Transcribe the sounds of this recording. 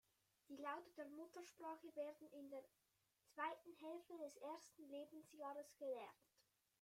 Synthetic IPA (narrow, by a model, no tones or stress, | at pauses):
d̥iːlaʊtəd̥eːɐmʊtəʃpʁ̥aːχəveːɐdn̩ɪndeːɐ | t͡sv̥aɪtn̩ɦɛlftədɛsʔeːɐstn̩leːbn̩sjaːʁəsɡ̥əlɛʁnt